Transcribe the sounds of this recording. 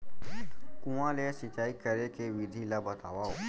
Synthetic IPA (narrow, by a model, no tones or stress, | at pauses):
kũʋãlesɪt͡ʃaːikəɾekeʋɪd̪ʱilabət̪aːʋaːo